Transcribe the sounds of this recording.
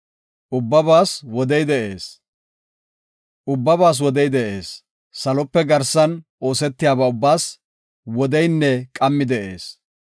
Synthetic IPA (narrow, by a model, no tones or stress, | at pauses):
ʔʊbːɐbaːswɔd̪ɛjd̪ɛʔe̞ːs | ʔʊbːɐbaːs̬wɔd̪ɛjd̪ɛʔe̞̰ːsː | ɐlɔpːɛɡɐɾsɐnʔo̞ːsɛt̪ːɪjaːbɐʊbːaːs | wɔd̪ɛjnːɛkʼɐmːɪd̪ɛʔe̞̰ːs